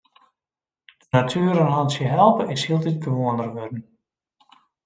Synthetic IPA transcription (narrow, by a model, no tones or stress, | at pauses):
d̥ənatʰyəɾənɦɔnsjəɦɛlˠpəɪshiəlˠdit̚ɡəʋoəndərʋødn̩